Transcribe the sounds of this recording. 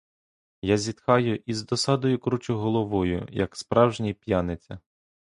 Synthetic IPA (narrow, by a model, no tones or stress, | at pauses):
jazʲit̪xɑjʊʔizd̪ɔsɑd̪ɔjʊkɾut͡ʃʊɦɔlˠɔʋɔjʊ̰jɐ̰kspɾɑwʒnʲijpʲjanɪt͡sʲɐ̰